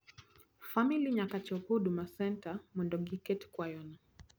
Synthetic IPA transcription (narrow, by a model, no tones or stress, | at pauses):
familiɲakat͡ʃɔkuɗumasɛntamɛndɔɡikɛtkwajɔna